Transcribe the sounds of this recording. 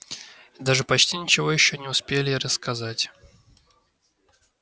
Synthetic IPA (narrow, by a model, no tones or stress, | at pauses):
d̪aʐɨpɐt͡ɕtʲinʲɪt͡ɕɪvo̞jɪɕːonʲɪʊspʲelʲɪɾəskɐzatʲ